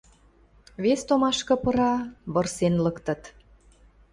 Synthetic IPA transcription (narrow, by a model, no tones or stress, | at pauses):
βest̪omɑʃkɤ̆pɤ̆ɾɑβɤ̆rsenlɤkt̪ə̆t̪